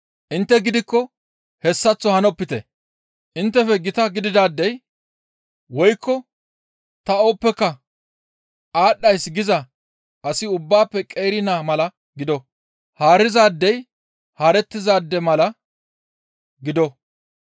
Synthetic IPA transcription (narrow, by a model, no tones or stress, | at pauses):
ʔɪnt̪ːɛɡɪd̪ɪkːɔ | hɛsːɐt͡sːɔhɐnɔpːɪt̪ɛ̰ | ʔɪnt̪ːɛfɛɡɪt̪ɐɡɪd̪ɪd̪aːd̪ːɛj | wɔjkːɔ | t̪ɐoːpːɛkːɐ | ʔaːɗːɐjsɡɪzɐ | ʔɐsɪʊbːaːpːɛkʼejɾɪnaːmɐlɐ | ɡɪd̪ɔ | haːɾɪzaːd̪ːɛj | haːɾɛt̪ːɪzaːd̪ːɛmɐlɐ | ɡɪd̪ɔ